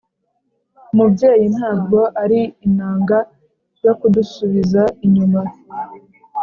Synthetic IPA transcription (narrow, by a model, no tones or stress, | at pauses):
mubɟe̞ːjin̥haːbɡo̞ʔaɾiin̥aːŋɡa | jokudusuβizaiɲuma